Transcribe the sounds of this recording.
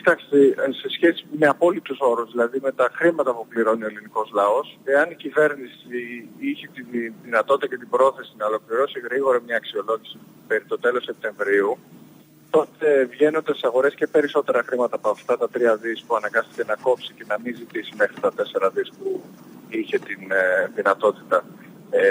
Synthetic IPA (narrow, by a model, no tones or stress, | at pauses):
ci̥t̪akst̪ese̞sçe̞simeɐpo̞lipt̪uso̞ɾuzðilɐðime̞t̪ɐxɾimɐt̪ɐpupliɾo̞nio̞eliniko̞zlɐo̞se̞ɐnicive̞ɾnisiiçet̪inðinɐt̪o̞t̪it̪ɐcet̪̬ibɾo̞θe̞sinɐo̞lo̞kliɾo̞siɣɾiɣo̞ɾɐmɲɐːksio̞lo̞ʝisi | peɾit̪ot̪e̞lo̞se̞p̚t̪e̞ɱvɾiu | t̪o̞t̪e̞vʝe̞no̞nd̪esisɐɣo̞ɾe̞scepe̞ɾiso̞t̪e̞ɾɐxɾimɐt̪ɐːpoɐft̪ɐt̪ɐt̪ɾiɐðispuɐnɐŋɡɐst̪i̥ce̞nɐko̞psicenɐminzit̪isime̞xɾit̪ɐt̪e̞se̞ɾɐðispu | içe̞t̪inðinɐt̪o̞t̪i̥t̪ɐ